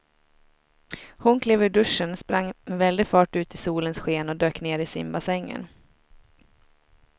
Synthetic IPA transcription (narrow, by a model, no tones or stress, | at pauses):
hʊnkʰleːvɵɖɵʂənspɾaŋːmɛvɛld̪ɪɡfɑːʈʉ̟ːt̪ɪsuːlənsɧeːnɔd̪øːkneːɾɪsɪ̰mbasɛŋːə̰n